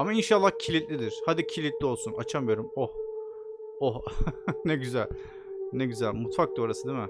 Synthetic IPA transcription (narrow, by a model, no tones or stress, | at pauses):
amainʃalˠːahcʰilʲilt̪ʲlʲid̪iɾ̥had̪icʰilʲit̪lʲio̞lˠsunat͡ʃʰamɯjo̞ɾumoh | ohneɟyzælʲ | neɟyzælʲmut̪fak̚t̪ɯɾoɾasɯd̪imɪ